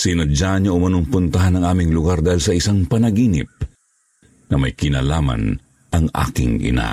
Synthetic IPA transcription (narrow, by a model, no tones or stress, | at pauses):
sɪnɐd͡ʒaɲaʔʊmɐnʊŋpʊnt̪ɐɦanɐŋʔaːmɪŋlʊɡaɾd̪aːhilsɐɪsaŋpɐnɐɡiːnɪ̰p̚ | nɐmɐjkɪnalaːma̰n | ʔɐŋʔa̰ːkɪ̰ŋʔɪ̰na̰